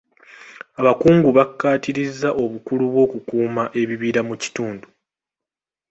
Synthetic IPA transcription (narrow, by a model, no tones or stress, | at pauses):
aβakuːŋɡuβakːaːtiɾizːaʔo̞βukuluβwo̞ːkukuːmaʔe̞βiβiːɾamuci̥tuːndu